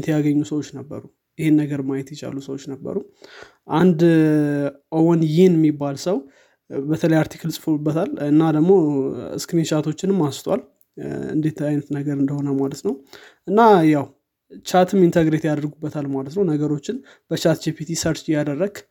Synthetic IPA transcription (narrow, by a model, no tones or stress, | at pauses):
t̪ʰjaɡəɲːusəwot͡ʃːnəbːə̰ɾu | jɪhenːəɡəɾmajɛt̪jɛt͡ʃa̰lusəwot͡ʃːnəbːə̰ɾu | ʔand̪ | ʔowənjɪhnjɛmːibːalsəw | bət̪ʰələjaɾt̪ʰi̥kʰlsʼɨfoubːət̪ʰalɨnːad̪əɡmo̞ɨ̰skɨnit͡ʃat̪ʰo̞t͡ʃːɪnɨmːast̪ʰwa̰l | ɨ̰nd̪e̞t̪ʰajnət̪nəɡəɾɨnd̪əho̞nəmalət̪nəw | ʔɨnːajaw | t͡ʃʰat̪ʰɨmint̪ʰəɡɾe̞t̪jad̪əɾɡubːət̪ʰalmalət̪nəwnəɡəɾo̞t͡ʃːɪn | b̥ət͡ʃat̪d͡ʒepʰit̪ʰisəɾt͡ʃɪjad̪ərːəɡ̥